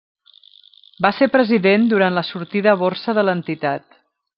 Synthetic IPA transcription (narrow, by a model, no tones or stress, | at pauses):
basepɾəziðend̪uɾanləsuɾt̪iðəːβoɾsəðələnt̪it̪at̪̚